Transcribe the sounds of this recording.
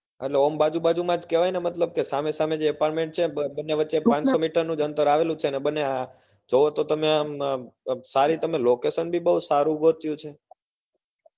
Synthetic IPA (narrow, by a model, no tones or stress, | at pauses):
ḛʈleombad͡ʒubad͡ʒumãd͡ʒkeʋajnemət̪ləb̚kesamesamed͡ʒeɛpaɾʈmẽɳʈ̚t͡ʃʰebənːeʋətːʃepãnsomiʈəɾnũd͡ʒənt̪əɾaʋelũt͡ʃʰenebənːea | d͡ʒoʋot̪ot̪əmeã | saɾit̪əmelokesənbʱibəɦusaɾũɡot̪jũt͡ʃʰe